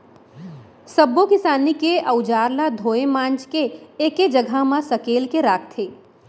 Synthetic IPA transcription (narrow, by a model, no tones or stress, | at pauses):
səbokɪsaːnikeʔəʊd͡ʒaːɾlad̪ʱoːemãːnt͡ʃkeeːked͡ʒəɡʱamãsɐkeːlkeɾaːk̚ʰt̪ʰeː